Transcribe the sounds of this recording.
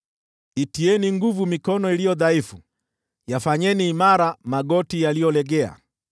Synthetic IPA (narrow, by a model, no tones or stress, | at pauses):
itiɛniŋɡuvumikɔnɔilijɔðaifu | jafaɲɛniːmaɾamaɡɔtijalijɔlɛɡɛa̰